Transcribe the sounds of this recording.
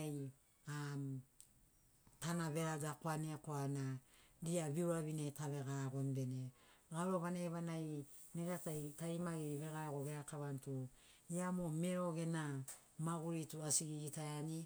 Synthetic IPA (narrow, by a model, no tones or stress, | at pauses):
j | am | tanaβe̞ɾaɡakoaniakoanaɾiaβiuɾaβinetaβe̞ɡaɡo̞nbe̞neɡaɾoβanajβanaj | neɡatajtajmaɡiβe̞ɡaɡo̞ɡeɾakaβantu | iamomeɾo̞ɡe̞na | maɡuɾituasiɡiɡitajani